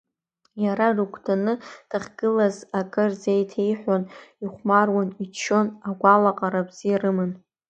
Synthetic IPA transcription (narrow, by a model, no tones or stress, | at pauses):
jaɾarukʷʰʼdʰanɨtʰaχʲɡ̥ɨlazakʼɨrzejtʰe̞jħʷaniχʷmarwanit͡ʃʰːo̞naɡʷalaqʼaɾabz̥irɨmɨn